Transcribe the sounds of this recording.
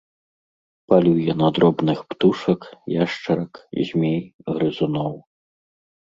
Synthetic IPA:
palʲujɛnɐd̪ɾɔbnɨxpt̪uʂɐkjaʂt͡ʂɐɾɐkzʲmʲejɣɾɨzunɔw

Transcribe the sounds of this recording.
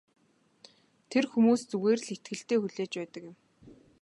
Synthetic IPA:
t̪ʰerxumuːst͡suɣeːrɮet̪ɡɘ̆ɬt̪eːxuɮeːt͡ɕpæːt̪ə̆kɪ̆m

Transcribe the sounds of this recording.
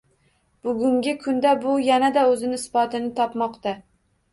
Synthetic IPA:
b̥ʊɡʲʊŋɡʲɪkʰʊnd̪abʊjanad̪aɵzɪnɪsbɒt̪ɪnɪt̪ʰɒpmɒqt̪a

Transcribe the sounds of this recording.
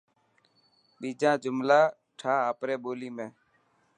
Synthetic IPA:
ɓiːd͡ʒãːd͡ʒʊmlaː | ʈʰaːaːpɾeːɓoːliːmẽː

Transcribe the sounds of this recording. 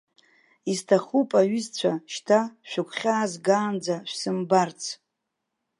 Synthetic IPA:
iztʰaχupʼaɥʏzt͡ɕʷʰaʃtʰaʃᶣʊkʷʰχʲaːzɡaːnd͡zaʃʷᶣsɨmbart͡sʰ

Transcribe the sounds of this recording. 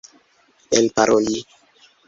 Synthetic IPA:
elpaɾʔoli

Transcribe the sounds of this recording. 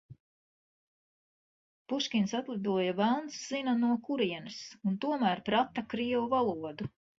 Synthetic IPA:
puʃkʲinsat̪lˠid̪uɔjavælˠnsz̥inanuɔkuɾiɛnɨsunt̪uɔmæːɾpɾat̪akɾiɛwuvalˠuɔd̪u

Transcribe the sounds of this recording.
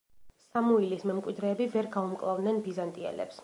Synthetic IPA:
samuilismɛmkʼwid̪ɾɛːbivɛɾɡaumkʼlˠavd̪nɛnbizant̪ʼiɛ̰lɛ̰ps

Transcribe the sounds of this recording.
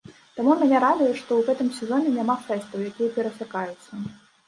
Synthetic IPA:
t̪amumʲanʲɛɾad̪ujɛʂt̪ɔwɣɛt̪ɨmsʲɛzɔnʲɛnʲamafɛst̪ɐwjakʲijɐpʲɛɾɐsʲɨkajut̪sːɐ

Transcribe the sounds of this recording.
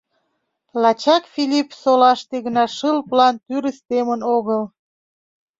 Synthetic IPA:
lɑt͡ɕɑkfilʲipsolɑʃt̪eɣənɑʃəlplɑnt̪yɾəst̪emənoɣəl

